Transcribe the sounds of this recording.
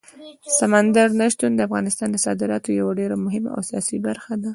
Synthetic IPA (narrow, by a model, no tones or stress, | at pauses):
samand̪aɾnaʃt̪und̪əafɣɑnɪst̪ɑnd̪əsɑ̰d̪ɪɾɑt̪ojawaɖeɾamʊɦɪma̰a̰wsijɑsibaɾxad̪a